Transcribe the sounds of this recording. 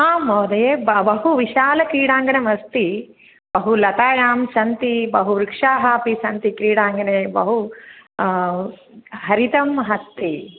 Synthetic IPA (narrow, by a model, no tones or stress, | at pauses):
aːmoːd̪ɐjebbɐɦuʋiʃaːlɐkɾiːɽaːŋɡɐnemɐst̪i | bɐɦulɐt̪aːjaːmsɐnt̪ibɐɦuʋɾikʂaːɦaːpisɐnt̪ikɾiːɽaːŋɡɐɳeːbɐɦu | ɦɐɾit̪ɐmɦɐst̪ːi